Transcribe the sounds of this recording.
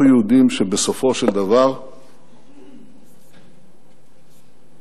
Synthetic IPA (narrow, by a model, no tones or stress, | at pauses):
jeud̪imʃebeso̞fo̞ʃeld̪avaʁ